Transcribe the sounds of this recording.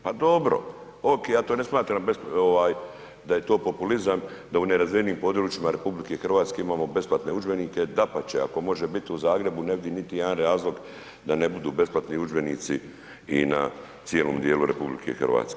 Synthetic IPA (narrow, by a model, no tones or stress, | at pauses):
pad̪o̞bɾo̞̰ | oːkejaːt̪oːne̞smaːt̪ɾambesoʋaːj | d̪aje̞t̪oːpo̞pulizamd̪auneɾazʋieniːmpo̞d̪ɾuːt͡ʃimaɾe̞publike̞xrʋaːt̪ske̞imaːmo̞be̞splˠat̪neud͡ʒbe̞niːke̞d̪apat͡ɕea̰ko̞mo̞ʒe̞bit̪iuzaːɡɾe̞bune̞ʋid̪init̪ijed̪anɾaːzlˠo̞ɡ | d̪ane̞bud̪uːbe̞splat̪niud͡ʒbe̞niːt̪si | ina̰ | t̪sije̞loːmd̪je̞ːluɾe̞̰publḭkʰḛxrʋa̰ːt̪ske